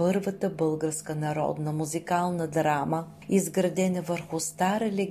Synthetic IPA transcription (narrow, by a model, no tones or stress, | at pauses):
ɤɾvət̪əbɤlˠɡəɾskənɐɾɔ̰d̪nəmuzikalˠnəd̪ɾamə | izɡɾɐd̪ɛnɐvəɾxʊst̪aɾɛlʲɛ